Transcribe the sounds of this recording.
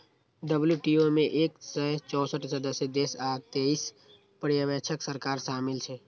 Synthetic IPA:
ɖəbljuʈiomẽʔeːksət͡ʃɔːsəʈʰsəd̪əsed̪esaːt̪eis | pəɾjəʋɛt͡ʃʰəksəɾkaːɾʃaːmɪlt͡ʃʰɛ

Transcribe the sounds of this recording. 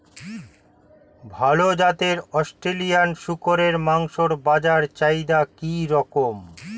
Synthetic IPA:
bʱalod͡ʑat̪eɾɔsʈɾelijanʃukoɾeɾmaŋʃoɾbad͡ʑaɾt͡ɕajd̪akiɾɔkom

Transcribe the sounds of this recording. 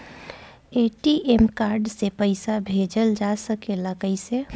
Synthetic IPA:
eʈiʔemkaɾɖsepəɪsabʱed͡ʒəld͡ʒasəkeləɡəɪse

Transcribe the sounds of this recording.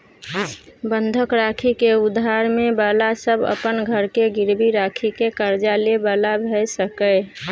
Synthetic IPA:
bənd̪ʱəkɾakʰikeud̪ʱːaɾmebəlasəbə̰pənɡʱəɾkeɡɪɾbiɾakʰikekəɾd͡ʒalebəlabʱɛsəkə

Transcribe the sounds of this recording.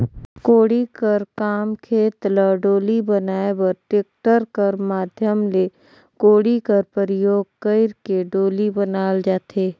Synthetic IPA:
koːɽikɐɾkaːmkʰeːt̪ləɖoːlibɐnaːebɐɾʈeːk̚ʈəɾkɐɾmaːd̪ʱjəmle | koːɽikəɾpəɾɪjoːɡ̚kəɪɾkeɖoːlibɐnaːld͡ʒaːt̪ʰeː

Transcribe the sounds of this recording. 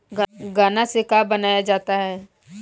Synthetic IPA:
ɡɡaːnasekaːbɐnaːjad͡ʒaːt̪aɦɛː

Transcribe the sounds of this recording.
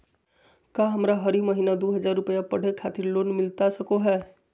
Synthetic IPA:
kaɦəmɾaɦəɾiməɦiːnad̪oɦəd͡ʒaːɾːʊpəjapəɽ̤ekʰat̪ɪɾloːnmɪlt̪asəkoɦɛː

